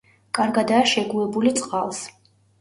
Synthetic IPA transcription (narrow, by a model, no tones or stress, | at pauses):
kʼaɾɡad̪aːʃɛɡuɛbulit̪sʼqʼalˠs